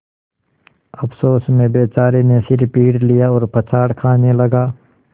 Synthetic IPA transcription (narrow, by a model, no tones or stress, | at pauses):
ɐpʰsoːsmẽbeːt͡ʃaːɾenesɪɾpiːɽlijaɔːɾpət͡ʃʰaːɽkʰaːnelɐɡaː